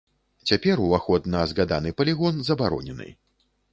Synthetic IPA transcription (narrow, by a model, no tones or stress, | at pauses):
t͡sʲapʲɛɾuvaxɔt̪nɐzɣad̪anɨpɐlʲiɣɔnzɐbaɾɔ̰nʲɛnɨ̰